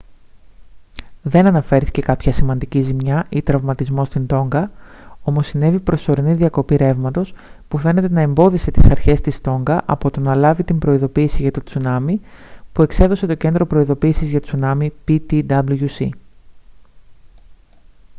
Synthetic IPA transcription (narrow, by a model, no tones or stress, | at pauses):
ðe̞nɐnɐfe̞ɾθi̥ce̞kɐpçɐsimɐnd̪icizimɲɐʔit̪ɾɐvmɐt̪izmo̞st̪ind̪o̞ŋɡɐ | o̞mo̞sːine̞vipɾo̞so̞ɾiniðiɐko̞piɾe̞vmɐt̪o̞spufe̞ne̞t̪enɐe̞mbo̞ðise̞t̪isɐɾçe̞st̪ist̪o̞ŋɡɐʔɐpo̞t̪onɐlɐvit̪imbɾo̞iðo̞piːsiʝɐt̪o̞t͡sunɐmipue̞kse̞ðo̞se̞t̪o̞ce̞nd̪ɾo̞pɾo̞iðo̞piːsizʝɐtt͡sunɐmipit̪id̪ɐbluʝusḭ